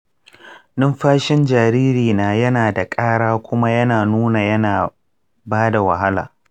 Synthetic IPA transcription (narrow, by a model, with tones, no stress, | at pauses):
nɪ˦mɸaː˦ʃɪ˦nd͡ʒaː˨ɾiː˦ɾiː˨naː˨jɐ˦naː˨da˨kʼaː˦ɽaː˦kʷʊ˦ma˦jɐ˦naː˨nuː˦na˨jɐ˦naː˨ | baː˦da˨wɐ̰˨ɦa˦la̰ː˨